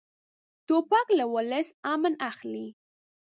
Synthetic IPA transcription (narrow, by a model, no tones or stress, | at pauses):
t̪opaklawələsamənaxli